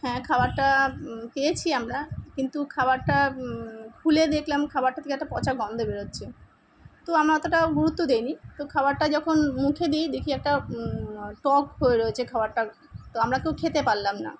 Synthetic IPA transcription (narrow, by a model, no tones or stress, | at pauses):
hɛ̃kʰabaɾʈapejet͡ɕʰiamɾakint̪ukʰabaɾʈa | kʰuled̪ekʰlamkʰabaɾʈːat̪ʰekeɛk̚ʈapɔt͡ɕaɾɡɔnd̪ʱobeɾot̪ːɕʰe | t̪oamɾaɛt̪oʈaɡuɾut̪ːod̪ejnit̪okʰabaɾʈad͡ʑɔkʰonmukʰed̪ijd̪ekʰiɛk̚ʈa | ʈɔkɦoeɾoet͡ɕʰekʰabaɾʈa | t̪oamɾakewkʰet̪epaɾlamna̰